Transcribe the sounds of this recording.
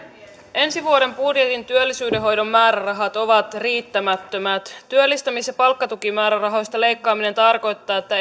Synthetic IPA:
ʔe̞nsiʋuoɾe̞mbudjet̪int̪yølːisyːdeɦo̞jdo̞mːæːɾærɑɦɑt̪o̞ʋɑt̪riːt̪ːæmæt̪ːømæt̪t̪ːyølːist̪æmisjɑpɑlkːɑt̪ukimæːɾærɑɦo̞jst̪ɑle̞jkːɑːmine̞nt̪ɑrko̞jt̪ːɑːet̪ːæ

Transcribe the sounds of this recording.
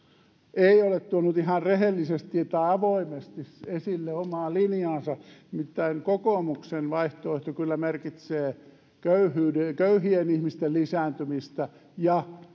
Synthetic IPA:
eiolett̪uonut̪ihɑrrehelːisest̪ːiet̪ːæːɑʋoimest̪isesilːeomɑːlinjɑːsɑimit̪ːæiŋkokoˑmuksenʋɑiht̪oeht̪okylːæmerkit̪seː | køyhyːdekøyhienihmist̪ellisæːnt̪ymist̪æ | jɑ

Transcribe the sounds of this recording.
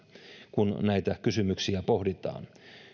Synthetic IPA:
kunnæit̪ækysymyksiæpohdit̪ɑ̰ːn

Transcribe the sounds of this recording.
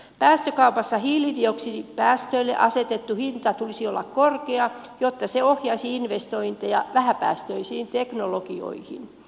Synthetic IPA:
pæːst̪økɑupɑsːɑhiːlːidioksidipæːst̪øilːḛʔɑset̪et̪ːuhint̪ɑt̪ulisiolːɑkkorkeɑ | jot̪ːɑseohjɑsiinʋest̪oint̪ejɑʋæhæpæ̰ːst̪øisiːnt̪eknolokio̰ihḭn

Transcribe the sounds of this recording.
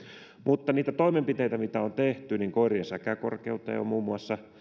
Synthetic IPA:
mut̪ːɑniːt̪æt̪oimempit̪eit̪æmit̪æont̪eht̪yniŋkoiriensækækorkeut̪ːɑ̰jo̰muːmːuɑsːɑ

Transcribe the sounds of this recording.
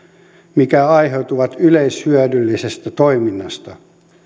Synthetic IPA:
mikæɑiɦeut̪uʋɑt̪yleishyœdylːisest̪æt̪oiminːɑst̪ɑ

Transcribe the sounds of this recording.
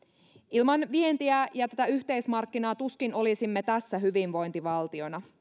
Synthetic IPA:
ilmɑnʋie̞nt̪iæjɑt̪æt̪æyçt̪e̞jsmɑrkːinɑːt̪uskino̞lisimːet̪æsːæɦyʋinʋo̞jnt̪iʋɑlt̪io̞nɑ

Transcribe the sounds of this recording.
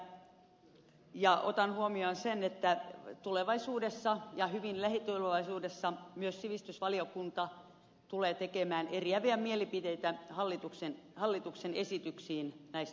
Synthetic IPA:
jɑo̰t̪ɑnhuomionsenet̪ːæt̪uleʋɑisuːdesːɑjɑhyʋinlæhit̪uleʋɑisuːdesːɑmyøssiʋist̪ysʋɑliokunt̪ɑ | t̪uleːt̪ekemæːneriæʋiæmielipit̪eit̪æhɑlːit̪uksenhɑlːit̪uksenesit̪yksiːnnæist̪

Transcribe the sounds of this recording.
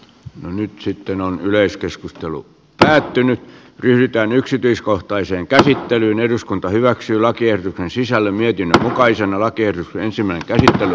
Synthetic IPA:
nonyt̪sit̪ːenonyleiskeskust̪elṵ | pæːt̪ːynyt̪ | ryhɾit̪æːnyksit̪yiskoht̪ɑiseːŋkæsit̪ːelyːneduskunt̪ɑhyʋæksyːlɑkiehrot̪uksensisælːemmiet̪inːømmukɑisenɑlɑkiehrot̪ukseensimːˑæˑineŋkæsit̪ːely

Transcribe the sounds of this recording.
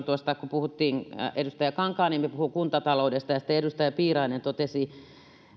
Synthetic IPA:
t̪uost̪ɑkupuhut̪ːiːŋedust̪ɑjækɑŋkɑːniːmepuhuŋkunt̪ɑt̪ɑloudest̪ɑjɑsĭ̥t̪ːeeɾust̪ɑjæpiːrɑinent̪ot̪esi

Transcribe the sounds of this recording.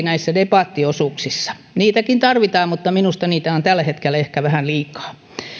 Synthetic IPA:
næisːædepɑˑt̪ːiosuˑksisːɑ̥ | niːt̪ækint̪ɑrʋit̪ɑːmmut̪ːɑminust̪ɑniːt̪æont̪ælːæhet̪kelːæehkæʋæhænliːkɑ̥ː

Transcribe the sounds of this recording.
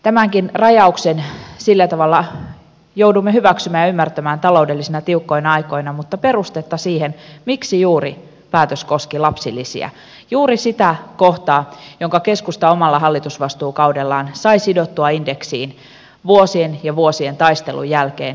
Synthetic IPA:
t̪æmæŋkinrɑjɑuksensilːæt̪ɑʋɑlːɑ | jowdumːehyʋæksymæːjɑymːært̪æmæːnt̪ɑlo̞ude̞lːisinɑt̪iukːo̞jnɑjko̞jnɑmut̪ːɑpe̞rust̪et̪ːɑsiːhenmiksijuːri | pæːt̪øsko̞skilɑpsilːisḭæ̰ | juːɾisit̪ækoht̪ɑːjoŋkɑke̞skust̪ɑo̞mɑlːɑɦɑlːit̪usʋɑst̪uːkɑwde̞lːɑːnsɑijsidot̪ːuɑinde̞ksḭːn | ʋuosienjɑʋuosie̞nt̪ɑjst̪e̞̰lṵjːælkeːn

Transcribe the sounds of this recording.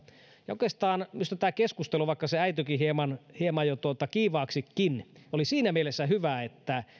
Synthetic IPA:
jɑoˑkest̪ɑːnmyst̪æt̪æːkeskust̪eluʋɑˑikːɑseæit̪ykihiemɑnhiemɑjot̪uot̪ɑkiːʋɑːksikːinolisiːnæmielesːæɦyʋæet̪ːæ

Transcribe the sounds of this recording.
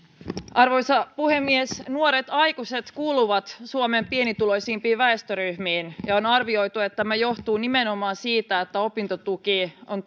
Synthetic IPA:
ʔɑrʋojsɑpuhemːiesnuoɾet̪ɑjkuse̞t̪kuːluʋɑt̪suomempienit̪ulo̞jsiːmpiːʋæest̪øɾyhmiːnjɑonɑrʋio̞jt̪uet̪ːæmæjo̞ht̪uːnimenomɑːnsiːt̪æet̪ːæo̞pint̪ot̪ukion

